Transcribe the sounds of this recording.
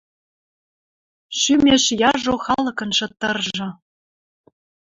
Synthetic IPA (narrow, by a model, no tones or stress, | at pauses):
ʃymʲeʃjɑʒoxɑlɤ̆kɤ̆nʃɤ̆t̪ːɤ̆rʒɤ̆